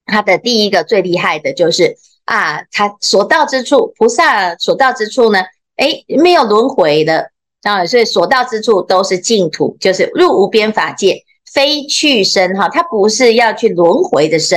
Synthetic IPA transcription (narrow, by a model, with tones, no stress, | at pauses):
t̪ʰa˥d̪ə˨t̪i˥˩i˥ɡə˨t͡swe˥˧ɪli˥˧xa˥˩ɪd̪ə˩t͡ɕjo˥˧ʊʂɻ̩˥˩ | ʔa˥˩t̪ʰa˥swɔ˨˩t̪ɑ˥˩ʊʈ͡ʂɻ̩˥ʈ͡ʂʰu˥˩pʰu˧˥sa˥˩swɔ˨˩t̪ɑ˥˩ʊʈ͡ʂɻ̩˥ʈ͡ʂʰu˥˩nə˩ | e˥ɪ˩me˧˥ɪjo˨˩ʊlwə˧˥nxwe˧˥ɪlə˧ | ə˥˨˩swɔ˧˥i˨˩swɔ˨˩t̪ɑ˥˩ʊʈ͡ʂɻ̩˥ʈ͡ʂʰu˥˩t̪o˥ʊʂɻ̩˥˧t͡ɕi˥˩ŋt̪ʰṵ˨˥˦t͡ɕjo˥˧ʊʂɻ̩˥˩ɻu˥˩u˨˩pjɛ˥nfa˨˩t͡ɕjɛ˥˩ | fe˥ɪt͡ɕʰy˥˩ʂə˥nxɑ˨˩t̪ʰa˥pu˧˥ʂɻ̩˥˧jɑ˥˧ʊt͡ɕʰy˥˩lwə˧˥nxwe˨˧˥ɪd̪ə˨˧ʂə˥